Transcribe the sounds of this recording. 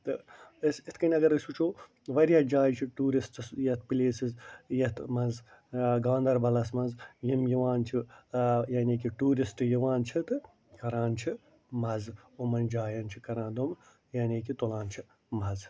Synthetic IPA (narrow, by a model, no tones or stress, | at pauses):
t̪ɨɐsit̪ʰkɐnʲɐɡɐɾɨsuːt͡ʃʰoː | ʋɐɾjaːd͡ʒaːjt͡ʃʰiʈuːɾisʈɨsjɐt̪pileːsizjɐt̪ʰmɐnz | ɡaːnd̪ɐɾbɐlɐsmɐnzjimjiʋaːnt͡ʃʰijaːneːkiʈuːɾisʈɨjiʋaːnt͡ʃʰit̪ɨ | kɐɾãːnt͡ʃʰi | mɐzomɐnd͡ʒaːjɐnt͡ʃʰikɐɾãːd̪om | jaːnʲiːkit̪olãːnt͡ʃʰi | mɐz